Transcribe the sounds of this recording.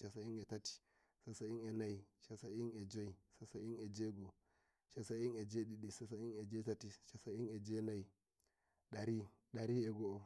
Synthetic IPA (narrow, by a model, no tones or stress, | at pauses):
ʃasainetati̥ | sasainenaiʃasained͡ʒoisasained͡ʒeɡo | ʃasained͡ʒeɗiɗisasained͡ʒetatiʃasained͡ʒenai | ɗaɾi | ɗaɾieɡoo